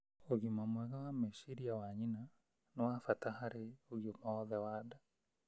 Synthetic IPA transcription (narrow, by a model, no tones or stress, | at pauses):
oɣomamwɛɣawameʃiɾiawaɲina | nɔwafatahaɾeoɣjomaɔðɛwada